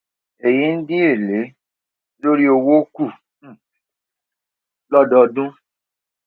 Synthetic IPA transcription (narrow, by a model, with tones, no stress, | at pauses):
e˨ji˨˦n̩˦dĩ˦e˦˨le˨˦ | lo˦ɾi˦o˧wo˦ku˦˨ | lɔ˦dɔ˧dũ˦